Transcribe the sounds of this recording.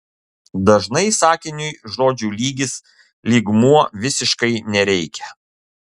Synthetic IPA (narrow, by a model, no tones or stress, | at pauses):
d̪ɐʒnɐɪsɑːkʲɪnʲʊjʒoːd͡ʒʲuːlʲiːɡʲɪs | lʲiːɡmuɔʋʲɪsʲɪʃkɐɪnʲɛɾʲɛɪkʲʰɛ